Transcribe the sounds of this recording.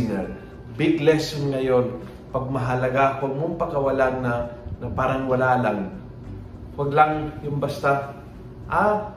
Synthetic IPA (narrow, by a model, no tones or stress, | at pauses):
nɛɹ | bɪɡlɛsʊnŋɐjon | pɐɡ̚mɐɦɐlɐɡakɐɡ̚mʊmpɐkɐwɐlanːɐnɐpaːɾɐŋwɐlaːlaŋ | wɐɡlaŋjʊmbɐst̪a | ʔa